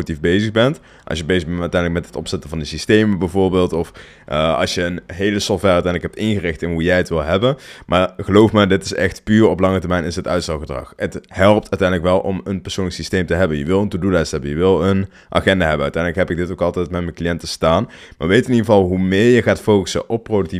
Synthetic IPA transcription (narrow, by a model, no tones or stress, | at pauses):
tifbejzəxbɛnt | ʔɑ̰sjəbejzəbnœtɛjndləkmɛtɦətɔ̰psɛtəvɑndəsistejməbɛjvoːɹbeːlˠtɔf | əɑ̰lˠsjəənɦejləsɔxtʋɛrœtɛjndləkɦɛp̚tɪnɣərɪxtɪnɦujɛjətʋɪlˠɦɛbənmʔaːɹɣəlowfmaːdɪtɪsɛ̰xtpyːrɔplɑŋətərɹmɛjnɪsətœ̰ɥtstɑlˠxədrɑ̰xəthɛlˠp̚tœɥtɛjndələkʋɛlˠʔɔmənpɛɹsownəksistejmtəɦɛbənjəʋɪlˠəntudulɛjstɦɛbənjəʋɪlˠən | ʔa̰xɛndaɦɛbənœ̰ɥtɛjndləkɦɛpɪɡ̚dɪtowkɑlˠtɛjtmɛtmɛnklijɛntəstaːnmaːɹʋejtɪniɣəvɑlˠɦumɪːɹjəɣaːtfowkə̥sə̰ʔɔpːrodəkti